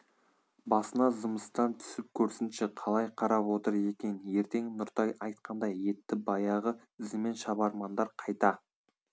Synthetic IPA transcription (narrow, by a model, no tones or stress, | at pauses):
bɑsənɑzəməst̪ɑnt̪ʰʏ̥sɪp̚kʲʰɵɾsɪnʃeqʰɑlˠɑjqʰɑɾɑpwo̞t̪əɾe̞kʲe̞nje̞ɾt̪e̞ŋnʊɾt̪ɑjɑjt̪̚qɑnd̪ɑjːe̞t̪ːɪbɑjɑʁə | ɪzɪme̞nʃɑbɑɾmɑnd̪ɑɾqʰɑjt̪ɑ